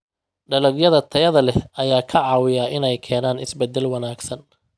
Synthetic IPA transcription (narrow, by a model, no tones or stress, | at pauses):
ɖɐlɐɡjɐðɐt̪ʰɐjɐðɐlɛɐjaːkʰɐʕɑːwɪjaːʔɪnɛjkʰɛːnaːnɪsbɛd̪ːɛlwɐnaːɡsɐn